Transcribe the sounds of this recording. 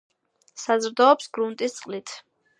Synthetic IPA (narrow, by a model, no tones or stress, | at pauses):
sazɾd̪ɔːpsɡɾunt̪ʼist̪sʼqʼlit̪ʰ